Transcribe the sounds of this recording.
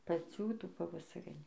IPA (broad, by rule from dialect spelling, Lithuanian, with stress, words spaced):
pɐˈt͡sʲuː ˈtuː pɐʋɐsɐˈrʲɪnʲuː